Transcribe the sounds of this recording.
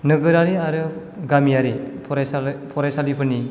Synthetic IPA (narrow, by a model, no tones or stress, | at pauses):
nɯɡɯɾaɾiaɾɯ | ɡamijaɾipʰɔɾasapʰɔɾasalipʰɯni